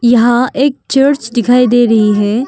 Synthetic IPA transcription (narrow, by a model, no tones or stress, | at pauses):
jɐɦãeːk̚t͡ʃəɾt͡ʃd̪ɪkʰaːid̪eːɾɐɦiɦɛː